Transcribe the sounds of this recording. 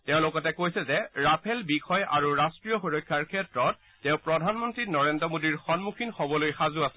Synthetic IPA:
tɛʊ̃lokɔtɛkojsɛzɛɹapʰɛlbixʰɔjʔaɹuɹastɹijɔxoɹɔkʰːjaɹkʰɛtɹɔtːɛʊ̃pɹɔdʱanmɔntɹinɔɹendɹɔmodiɹxɔnmukʰinxɔbɔlojxazuasɛ̥

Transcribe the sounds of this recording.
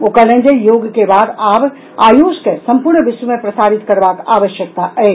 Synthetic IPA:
oːkəlẽnd͡ʒəjoːɡkebaːd̪aːb | aːjoːskesə̃mpuɾɳəʋɪswumepɾəsaːɾit̪kəɾbaːka̰ːʋəʃjək̚t̪aʔɛe

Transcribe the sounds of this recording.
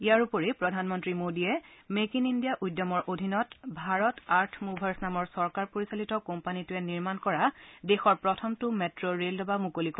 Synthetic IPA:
ijaɹupoɹipɹɔdʱanmɔntɹimodiɛmekinindijaʔujdːɔmɔɹʔodʱinɔtbʱaɹɔtaɹtʰmubʱaɹsnamɔɹsɔɹkaɹpoɹisalitɔkɔmpanitʊɛniɹmankɔɹadexɔɹpɹɔtʰɔmtʊmetɹoɹeldɔbamukolikɔ

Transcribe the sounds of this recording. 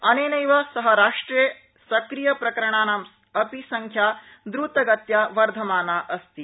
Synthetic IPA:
ɐneːnɐjʋasɐɦɐɾaːʂʈɾe | sɐkɾijɐpɾɐkɐɾɐɳaːnɐms | ɐpisɐŋkʰjaː | d̪ɾuːt̪ɐɡɐt̪jaːʋɐɾd̪ʱɐmaːnaːʔɐst̪i

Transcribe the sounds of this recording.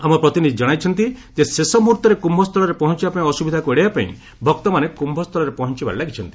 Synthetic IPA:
amɔpɾɔt̪inid̪ʱid͡ʒɔɽ̃ajt͡ʃʰɔnt̪id͡ʒesesɔmuɾt̪ɔɾekumbʱɔst̪ʰɔlɔɾepɔɦɔnt͡ʃibapaĩɔsubid̪ʱakueɽebapa̰ḭ̃ | bʱɔkt̪ɔmanekumbʱɔst̪ʰɔlɔɾepɔɦɔnt͡ʃiba̰ɾilaɡit͡ʃʰɔnt̪i̥

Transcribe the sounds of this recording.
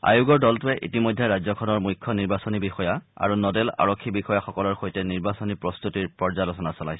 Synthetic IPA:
a̰juɡɔɹdɔltʊɛʔḭtimojdʱɛɹazɔkʰɔnɔɹmujkʰːɔniɹbasɔnibixɔjaa̰ɹunɔdɛla̰ɹɔkʰːibixɔjaxɔkɔlɔɹxojtɛniɹbasɔnipɹɔst̪utiɹpɔɹzalɔsʰɔnasɔla̰jsɛ̥

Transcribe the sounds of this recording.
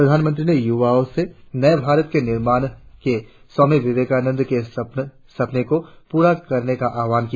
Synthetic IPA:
pɾɐd̪ʱaːnmə̃nt̪ɾinejuʋaːõsenɐjbʱaːɾət̪̚kenɪɾmaːñke | sɔːmiʋɪʋeːkaːnə̃nd̪ʱke | sɐpnekopuːɾakɐɾnekaʔaːʋaːnki

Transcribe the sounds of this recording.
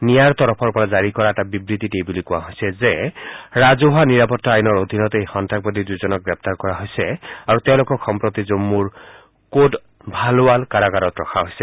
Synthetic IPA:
nijaɹt̪ɔɹɔpʰɔɹpɔɹazaɹikɔɹaɛtabibɹit̪itejbulikʊ̃wa̰ɦojsɛzɛɹazoɦaniɹapɔtʰːaajnɔɹod̪ʱinɔt̪ejxɔntʰak̚pod̪iduzɔnɔk̚ɡɹɛp̚t̪aɹkɔɹaɦojsɛaɹuteʊ̃loʊkɔkxɔmpɹot̪izomːuɹ | kod | bʱaloalkaɹaɡaɾɔtɹɔkʰaɦojsɛ

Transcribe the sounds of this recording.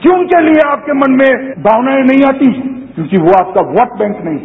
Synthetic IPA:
kõʊnkelieaːp̚kemɐnmẽbʱaːʋnaːinɐɦĩaːt̪ikjõːkiʋoaːp̚kaʋɔːɾʈ̚bɛ̃ːŋknɐɦĩ

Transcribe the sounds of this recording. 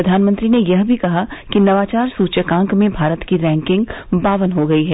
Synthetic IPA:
ɾɐd̪ʱaːnmə̃nt̪ɾinejɐɦbʱikɐɦakinɐʋaːt͡ʃaːɾsuːt͡ʃəkãːŋkmẽbʱaːɾət̪kiɾɛ̃ːŋkɪ̃ŋɡ̚baːʋənɦoɡɐiɦɛː

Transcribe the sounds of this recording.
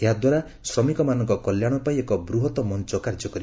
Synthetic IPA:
eɦad̪waɾa | sɾɔmikɔmanɔŋkɔkɔljaɽ̃ɔpajekɔbɾuɦɔt̪ɔmɔnt͡ʃɔkaɾd͡ʒɔkɔɾi

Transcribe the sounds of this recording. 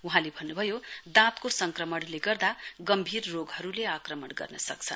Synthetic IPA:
uɦãlebʱʌnːubʱʌjod̪ãt̪kosʌŋkrʌmʌɽleɡʌrd̪aɡʌmbʱirːoɡɦʌɾuleakrʌmʌɽɡʌ̰rnʌsʌk̚t͡sʰʌn

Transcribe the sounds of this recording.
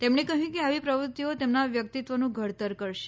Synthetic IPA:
t̪emɳekəɦjũkeaʋipɾəʋut̪ːiot̪emnaʋjək̚t̪it̪ʋənũɡʱəɽt̪əɾkəɾʃe̥

